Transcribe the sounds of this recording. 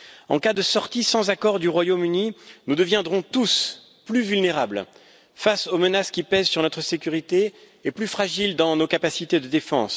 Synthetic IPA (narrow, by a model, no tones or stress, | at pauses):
ɑ̃kad̪əsɔʁt̪isɑ̃zakɔʁd̪yʁwajomyninud̪əvjɛ̃d̪ʁɔ̃t̪us | plyvylneʁabl | fasomənaskʲipɛzsyʁnɔt̪χəsekʲyʁit̪eː | plyfχaʒild̪ɑ̃nokapasit̪ed̪əd̪efɑ̰̃s